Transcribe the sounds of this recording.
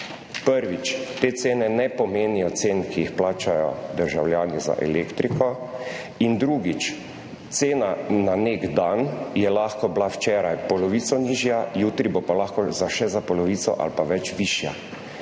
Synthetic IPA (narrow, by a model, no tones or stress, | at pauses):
pəɾʋit͡ʃt̪eːt̪seːnɛnɛpɔmeːnijɔt̪seːnkʰijixplaːt͡ʃajɔ̰d̪əɾʒawljaːniza̰ʔɛ̰leːkt̪ɾikʰɔ | ind̪ɾuːɡit͡ʃ | t̪seːnananeɡd̪anjɛlaxkɔblawt͡ʃɛːɾajpɔlɔʋiːt̪sɔniːʒjajuːt̪ɾibopalaxkɔzaʃɛzapɔlɔʋiːsɔ̰ʔa̰lpaʋɛt͡ʃʋiːʃja̰